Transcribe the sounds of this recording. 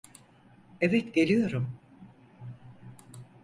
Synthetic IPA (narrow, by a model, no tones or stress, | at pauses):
ɛvɛt̪ɟe̞lʲijo̞ɾum